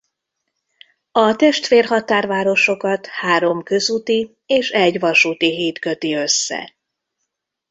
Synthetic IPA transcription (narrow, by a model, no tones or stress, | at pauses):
ɒt̪ɛʃt̪feːrɦɒt̪aːrvaːɾo̞ʃo̞kɒt̪haːɾo̞mkø̞zut̪i | eːʃɛɟʋɒʃuːt̪iɦiːt̪kø̞t̪iø̞sːɛ̰